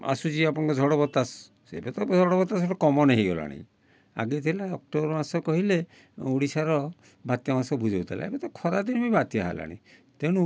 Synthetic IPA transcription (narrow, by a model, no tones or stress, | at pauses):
a̰sud͡ʒiapɔɽ̃ɔŋkɔd͡ʒʱɔɽɔbɔt̪ːas | ḛbet̪ɔd͡ʒʱɔɽɔbɔt̪ːasɔʈɔkɔmɔneɦiɡɔla̰ɽ̃ḭ̃ | a̰ɡit̪ʰilaɔk̚ʈɔbɾɔmasɔkɔɦile | uɽisaɾɔ | bat̪jɔmasɔbud͡ʒʱewt̪ʰala̰ḛbet̪ɔkʰɔɾad̪inmibat̪jɔɦa̰la̰ɽ̃ḭ̃t̪eɽ̃u